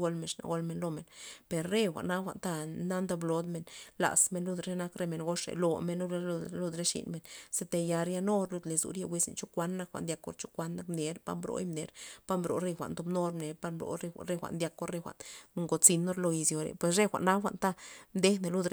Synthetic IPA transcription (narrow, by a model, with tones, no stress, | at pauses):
ɡo˧lme˧˨ʂna̰˨ɡo˧lme˨nlo˧me˨npe˨ɾːe˦˧xʷa̰˨ʔna˦xʷa̰˨ʔnt̪a˧na˦nd̪a˧blo˧d̪me˨nla̰˨sme˧nlu˧d̪ɾe˦na˦kɾe˧me˨nɡo˦ʂḛ˨lo˧me˧no˦ɾe˦˧lu˧d̪ɾe˦ʂḭ˧˨nme˧˨nse˧t̪e˧ja˧ɾja˧no˦ɾlu˧d̪le˨zṵ˨ɾje˧wʷi˧˦sḛ˧˨nt͡ʃu˦kʷa˦nːa˧kxʷa̰˨ʔnd̪ja˧kːo̰˧ɾt͡ʃu̥˦kʷa˦nːa˧kmne˨˧ɾpa̰˧mbɾo̰˧˦jmne˧˦ɾpa˦mbɾo̰˨˦ɾe˧xʷa̰˨ʔnt̪o˧bno˦ɾmne˨˧ɾpa˧mbɾo̰˨˧ɾe˧ɾe˧xʷa̰˨ʔnd̪ja˧kːo˦ɾe˧xʷa̰˨ʔn˧ŋɡo˧t͡si˧nːo˦ɾlo˧i˧zjo˨ɾḛ˨pwe˨sɾe˦xʷa̰˨ʔnːa˦xʷa̰˨ʔnt̪a˦md̪e˦ne˨lu˧d̪ɾ